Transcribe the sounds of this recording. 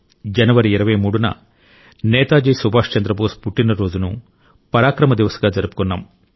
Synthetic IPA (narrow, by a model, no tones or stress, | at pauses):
d͡ʒɐnɐʋɐɾiːɾɐʋɐjmuːɽunɐ̰ | nɛːt̪aːd͡ʒijsubʱaːʂt͡ʃɐnd̪ɾɐboːspuʈːinɐɾo̞ːd͡ʒunu | pɐɾaːkɾɐmɐd̪iʋɐsɐɡaːd͡ʒɐɾupu̥kɔnːa̰ːm